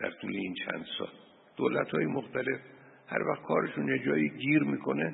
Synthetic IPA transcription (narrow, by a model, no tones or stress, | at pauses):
d̪æ̰ɾt̪ʰuːleint͡ʃʰæ̰nd̪̥sɒ̰ːl | d̪̥oːlæt̪hɒːjemoxt̪ʰæle̞f | hæ̰ɾvæxt̪̚kʰɒːɾe̞ʃunjed͡ʒɒːjiɡiːɾmiːkʰo̞ne